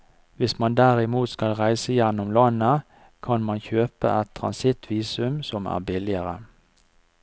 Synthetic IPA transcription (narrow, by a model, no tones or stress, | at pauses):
ʋɪsmɑnd̪æʁɪmuːt̪skɑlʁæɪsəjɛnːɔmlɑnə | kʰɑnmɑnçøːpə̰ʔɛt̪ʰːʁɑ̰nsɪt̪ʰʋiːsʉmsɔmæ̰ːbɪlɪəʁə